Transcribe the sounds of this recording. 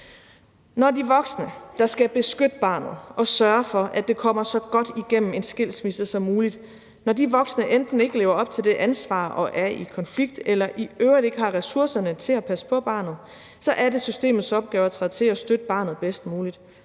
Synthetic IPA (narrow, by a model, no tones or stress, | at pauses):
nɒdiʋɒ̽ɡ̥snəd̥ɑ̈sɡ̥æb̥e̝sɡ̥ød̥əb̥ɑ̰̈ːnð̞̩ˠʔɒ̽sɶɐfɒ̽ʔæd̥e̝kʰɒ̽m̰ɐsɒ̽ɡ̥ɒ̽d̥iɡ̥em̰m̩e̝nsɡ̥e̝l̰smisð̩əsɒ̽mːuːlid̥ | nɒdiʋɒ̽ɡ̥snəʔend̥n̩e̝ɡ̥əle̝ːʊɐɒ̽b̥̚t͡sʰe̝ld̥e̝ʔænsʋɑ̰̈ːʔɒ̽ʔæɐikʰɒ̽nfliɡ̥̚d̥elɐʔiøʊʁide̝ɡ̥əhɑ̈ʁɛsuɐ̰sɐnət͡sʰe̝læpʰæsə̥pʰɒ̽b̥ɑ̰̈ːnð̞̩ˠ | sɒ̽ʔæɐde̝sysd̥e̝̰ːmð̞̩ˠsɒ̽b̥̚ɡ̥ɛːʊɐt͡sʰɑð̰ˠt͡sʰe̝æsd̥ød̥əb̥ɑ̈ːnð̩ˠb̥esd̥muːlid̥